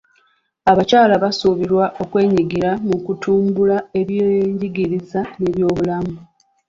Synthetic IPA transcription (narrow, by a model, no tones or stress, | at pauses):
aβacaːlaβasuβiɾwaʔo̞kwe̞ːɲiɡiɾamukutuːmbulae̞βjeɲɟiɡiɾizane̞βjo̞ːβulamu